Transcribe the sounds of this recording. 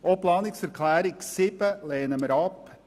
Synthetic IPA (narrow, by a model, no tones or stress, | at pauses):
ɔplɑːnɪksfəɾkʰlæːɾɪksɪpəleːnəməɾɑːp